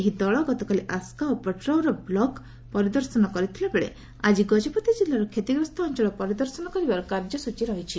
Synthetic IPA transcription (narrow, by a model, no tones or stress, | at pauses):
eɦid̪ɔɭɔɡɔt̪ɔkaliʔaskaopeʈɾɔwɾɔblɔk | pɔɾid̪ɔɾsɔnɔkɔɾit̪ʰilebeɭḛ | ad͡ʒiɡɔd͡ʒepɔt̪id͡ʒilːaɾɔkʰet̪iɡɾɔst̪ʰɔːnt͡ʃɔɭɔpɔɾid̪ɔɾsɔnɔkɔɾibaɾɔkaɾd͡ʒjɔsut͡ʃiɾɔɦit͡ʃʰi